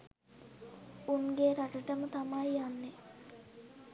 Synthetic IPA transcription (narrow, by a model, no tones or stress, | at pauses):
unɡeːɾaʈəʈəmət̪amajjanːe